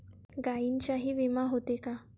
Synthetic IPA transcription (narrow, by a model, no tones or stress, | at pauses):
ɡaint͡ɕaɦiːʋimaɦot̪eka